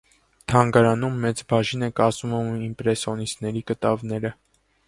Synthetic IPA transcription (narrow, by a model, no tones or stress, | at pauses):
t̪ʰɑŋɡɑɾɑnumːɛt͡sbɑʒinɛkɑzuməmimpɾɛsɔnisnɛɾikət̪ɑvnɛɾə